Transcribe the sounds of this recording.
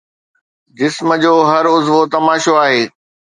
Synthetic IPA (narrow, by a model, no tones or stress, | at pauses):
d͡ʑɪsmə̆d͡ʑoːɦɐɾʊzʋot̪ɐmaːʃoaːɦeː